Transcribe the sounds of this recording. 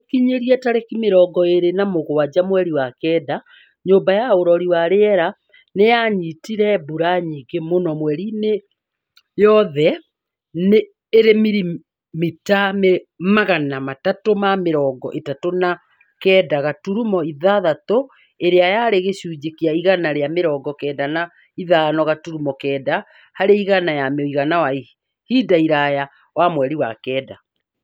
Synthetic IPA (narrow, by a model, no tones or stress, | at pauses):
kiɲeɾiɛtaɾekimeɾɔɡɔeɾenamoɣowad͡ʑamwɛɾiwakɛːda | ɲoːmbajaoɾɔɾiwaɾeɛɾa | nejaɲitiɾɛbuɾaɲiɡemonɔmwɛɾine | jɔðɛ | neː | ɾemiɾi | mitamemaɣanamatatomameɾɔːɡɔʔetatona | kɛːdaɣatuɾumɔiðaðato | eɾeajaɾeɣeɕuːd͡ʑekiaiɣanaɾeameɾɔːɡɔkɛːdana | iðanɔɣatuɾumɔkɛːda | haɾeiɣanajamoiɣanawai | hidaiɾaja | wamwɛɾiwakɛːda